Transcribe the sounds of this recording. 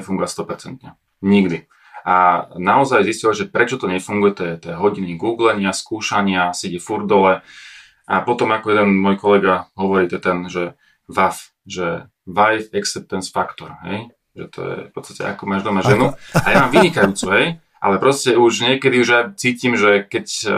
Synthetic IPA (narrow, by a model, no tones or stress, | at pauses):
ɛfuŋɡuast̪ɔpɛɾt͡sɛnt̪ɲɛ | ɲiɡd̪i | ʔanaɔzajziscilʒɛpɾɛt͡ʃɔt̪ɔɲɛfuŋɡujɛt̪ɛɛt̪ɛːɦɔɟiniɡuːɡlɛɲɪaskuːʃaɲɪasiɟɛfuɾd̪ɔlɛ | ʔapɔt̪ɔmakɔjɛd̪ɛnmɔjkɔlɛɡaɦɔʋɔɾiːt̪ɛt̪ɛnʒɛ | ʋaf | ʒɛ | ʋajfɛksɛp̚t̪ɛnsfakt̪ɔɾɦɛ̰j | ʒɛ̰t̪ʰɔ̰jɛ̰fpɔt͡sst̪ḁcɛ̰a̰kumaʒd̪ɔmaʒʒɛnuajamaːmʋiɲikajuːt͡suɦɛj | ʔa̰lɛpɾɔscɛuʒɲɪɛkɛd̪iuʒat͡siːcimʒɛkɛc